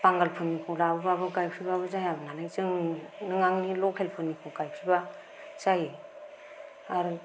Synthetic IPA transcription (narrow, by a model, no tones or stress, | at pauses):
paŋɡalpʰɯnːikʰulabɯbabɯɡajpʰɾibaβɯzajabɯnanajzɯŋnɯŋaŋnilɔkhelpʰɯnːikʰuɡajpʰɾiba | z̥aji | aɾu